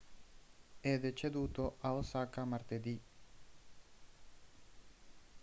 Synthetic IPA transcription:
ɛd̪et͡ʃed̪uːt̪oʔaosakamaɾt̪ed̪i

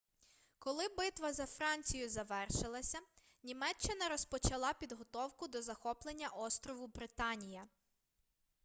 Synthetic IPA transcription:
kɔlˠɪbɪt̪ʋɐzɐfɾɑnʲt͡sʲijʊzɐʋɛrʃɪlˠɐsʲɐ | nʲimɛt͡ʃːɪnɐɾɔspɔt͡ʃɐlˠɑpʲid̪ɦɔt̪ɔwkʊd̪ɔzɐxɔplˠenʲːɐʔɔst̪ɾɔʋʊbɾɪt̪ɑnʲijɐ

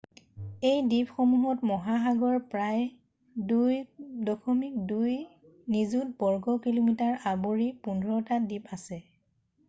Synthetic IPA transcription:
ejdipxɔmuɦɔtmɔɦaxaɡɔɹpɹaj | dujdɔkʰɔmik̚duj | nizut̚bɔɹɡɔkilomitaɹaboɹipundʱɹɔtadipʰasɛ

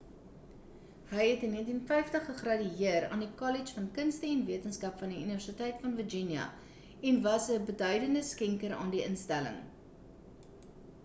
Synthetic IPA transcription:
ɦəjɦɛtniəntinfɛjftəχːəχrɐdyiəɾɑ̰ːndikɔlit͡ʃfɐnkənstəɛnviətənskɐpfɐndiyniværsitɛjtfɐnvərd͡ʒinjɐ̰ | ɛnvɐsəbədœɥdəndəskɛŋkəɾɑ̰ːndiʔənstælə̰ŋ

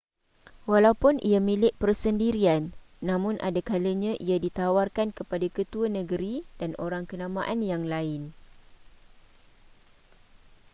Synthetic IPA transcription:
walawpʊnʔiamĩlɪʔ̚pərsəndiɾianː | ãmʊ̃nʔa̰dakaləɲãʔiadit̪awarkankəpadakət̪uanə̃ɡəɾidano̰ɾaŋkənãmãʔanjaŋlaɪn

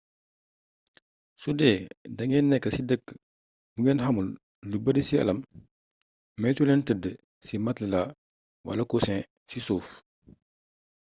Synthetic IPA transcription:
sudɛdɐŋɛːnːɛkːɐsidəkː | buŋɛːnhɐmulː | ubədəsiɐ̰lɐm | mɛsulɛntədə | simɐtləla | wɐ̰lɐkusɛ̃ | sisuːf

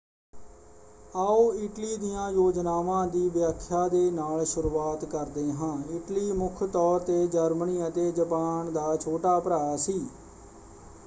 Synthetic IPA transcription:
aːoːɪʈliːd̪ɪjãːjoːd͡ʒnaːʋãːd̪iːʋjaːkʰːjaːd̪eːnaːlsʊɾuːaːt̪kəɾd̪eːɦãːɪʈliːmʊkʰt̪ɔːɾt̪eːd͡ʒəɾməniːət̪eːd͡ʒəpaːɳd̪aːt͡ʃʰoːʈaːpəɾaːaːsiː

